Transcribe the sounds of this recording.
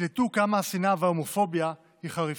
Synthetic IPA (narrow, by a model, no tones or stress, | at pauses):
let̪ukamasinaveomofo̞bja | hiχaʁi